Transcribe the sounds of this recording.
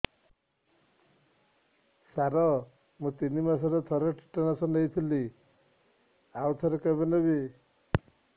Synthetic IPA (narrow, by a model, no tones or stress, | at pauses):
saɾɔ | mũt̪inimasaɾɔt̪ʰɔɾɔʈʰi̥ʈanasɔnejt̪ʰili | awt̪ʰɔɾɔkabenɔβi